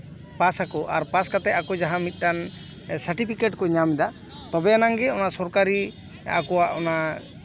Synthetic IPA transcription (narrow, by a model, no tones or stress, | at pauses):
pasakɔʔaɾpaskat̪ɛakɔd͡ʒaɦãmit̪̚ˀʈan | saɾʈipʰikeʈkɔɲamɛd̪a | t̪ɔbɛjanaŋɡɛɔnasɔɾkaɾi | a̰kɔwaʔɔna